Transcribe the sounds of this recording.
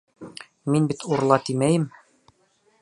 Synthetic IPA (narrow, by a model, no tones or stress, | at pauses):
minbit̪ʰuɾlˠɑt̪imæjɘm